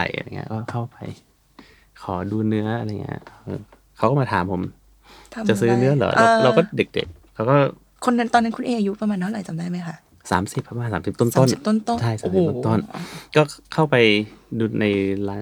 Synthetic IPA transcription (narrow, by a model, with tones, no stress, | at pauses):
a̰˨˩jʔa̰˧˨ŋːḭ˦˥ɐ˥˩kɔː˥˩kʰa˥˩wpa˧j | kʰɔː˩˦duː˧nɯ˦˥ɐʔa˧ɾjŋḭ˦˥ɐʔɤ̰ː˧˩ | kʰa˧˦wkɔː˥˩maː˧t̪ʰaː˨˦mpʰo˧˦mʰ˧ | t͡ɕa˨˩sɯː˦˥nɯ˦˥ɐlɔ̰ː˨˦lʔɾa˧kɔː˥˩de˨˩k̚dḛ˨˩k̚ | ɾʰa˧wkɔː˥˩ | kʰo˧nːa˧nt̪ɔː˧nːa˦˥nkʰu˧nʔeː˧ʔa˧ju˦˥pa˧maː˧nʰa˥˩wla˨˩jt̪t͡ɕa˨˩mdaː˥˩jma˦˥jkʰa˥ʔ | sa̰ː˩˦msi˨˩p̚ʰːa˧aː˧˨saː˨˦msi˨˩p̚t̪o˥˩nt̪o˥˩n̚˨˩t̪o˥˩˨nt̪o˥˨t͡ɕʰa˥˩jsaː˦mʰ˨˩a˥˩t̪o˥˩nkɔː˥˩kʰa˥˩wpa˧jduː˧na˧jlaː˦˥